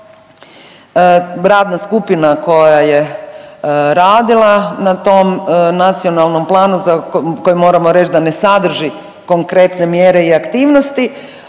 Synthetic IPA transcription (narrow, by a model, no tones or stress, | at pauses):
ɾaːd̪naskupinako̞jaje | ɾaːd̪ilˠanat̪o̞mnat̪sio̞nalˠno̞mplˠaːnuzako̞jimo̞ːɾamo̞ɾe̞t͡ʃd̪ane̞sad̪r̩ʒi | ko̞ŋkɾe̞t̪ne̞mjeːɾe̞iakt̪iːʋnost̪i